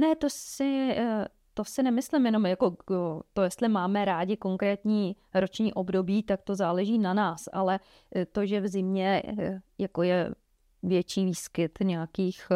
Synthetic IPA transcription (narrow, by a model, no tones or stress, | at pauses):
nɛt̪o̞ɪ | t̪o̞sɪnɛmɪslɪmjɛno̞mjako̞ot̪o̞jɛst̪lɪmaːmɛɾaːɟɪko̞ŋkɾɛːt̪ɲiː | ɾo̞t͡ʃɲiːʔo̞bdo̞biːt̪ak̚t̪o̞zaːlɛʒiːnanaːsa̰lɛ | t̪o̞ʒɛvzɪmɲɛjako̞jɛ | vjɛt͡ʃiːviːskɪt̪ɲɛjakiːx